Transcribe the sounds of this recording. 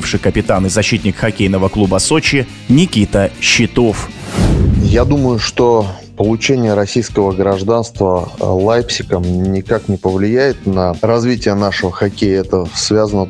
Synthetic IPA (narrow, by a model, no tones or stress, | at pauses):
fʂɨjkəpʲɪt̪anɨzɐɕːit̪ʲnʲɪkxɐkʲejnəvəklˠubəso̞t͡ɕɪ | nʲɪkʲit̪əɕːɪt̪o̞f | jad̪uməjʊʂt̪o | pəlˠʊt͡ɕenʲɪjəɾɐsʲijskəvəɡɾɐʐd̪anst̪vəlˠajpsʲɪkəmnʲɪkaknʲɪpəvlʲɪjæjɪt̪nəɾɐzvʲitʲɪjənaʂəvəxɐkʲejɪɛt̪əsvʲazənə